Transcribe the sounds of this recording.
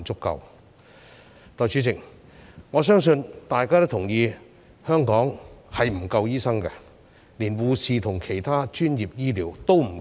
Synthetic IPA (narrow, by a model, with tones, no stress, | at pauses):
t͡sʊ˥kːɐ̰˧w | t̪ɔː˧jt͡ʃʰyː˨˥t͡sɪ˨˩k̚ | ŋɔː˨˧s̬œː˥ŋsɵ˧nt̪aː˨jkaː˥t̪o˥t̪ʰʊ˨˩ŋjiː˧ | hœː˥ŋkɔː˨˥ŋhɐ˨jm̩˨˩kɐ˧wjiː˥sɐ˥ŋkɐ˧ | liː˨˩nwuː˨siː˨t̪ʰʊ˨˩ŋkʰe˨˩jt̪ʰaː˥t͡ʃyː˥nji˨p̚jiː˥liː˨˩wt̪o˥wm̩˨˩